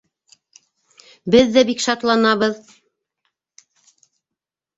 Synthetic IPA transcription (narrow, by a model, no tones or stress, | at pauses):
bɘðːæbikʃɑt̪lˠɑnɑβɤð